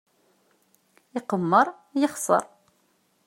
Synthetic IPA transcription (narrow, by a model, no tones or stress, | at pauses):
ɪqəmːəɾˤ | jəχsˤə̰ɾˤ